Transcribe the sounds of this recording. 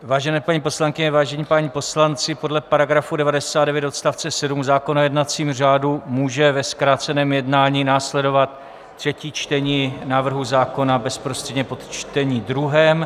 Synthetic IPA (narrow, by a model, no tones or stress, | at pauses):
vaːʒɛnɛːpaɲipo̞slaŋkɪɲɛvaːʒɛɲiːpaːɲipo̞slant͡sɪpo̞dlɛpaɾaɡɾafudɛvadɛsaːdɛvjɛt̪o̞t̪st̪aft͡sɛsɛdumzaːkonojɛdnat͡siːmr̝aːdumuːʒɛvɛskɾaːt͡sɛnɛːmjɛdnaːɲiːnaːslɛdo̞vat̪̚ː | r̝̥ɛciːt͡ʃt̪ɛɲiːnaːvr̩ɦuzaːko̞nabɛspɾost̪r̥ɛdɲɛpo̞t̪t͡ʃt̪ɛɲiːdɾuɦɛːm